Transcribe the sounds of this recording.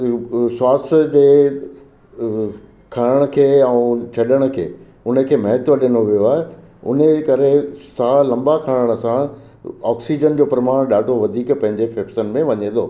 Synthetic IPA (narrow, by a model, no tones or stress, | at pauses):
swaːsd͡ʑeː | kʰaːɽəɽ̃ə̆kʰeːɛũt͡ɕʰɐɗəɽ̃ə̆kʰḛː | ʊnəkʰeːmɐɦɪt̪oɗɪnoʋijoaːɦe | ʊ̰nəkɐɾesalɐ̃mbakʰaːəɽ̃ə̆sã | ɔːksid͡ʑənd͡ʑoːpɾɐmaːɽ̃ɗaːɖʱoʋɐd̪ʱiːkpɐ̃ɦɪ̃ɲd͡ʑefeːpsən̆mẽʋɐɲẽt̪ʰoː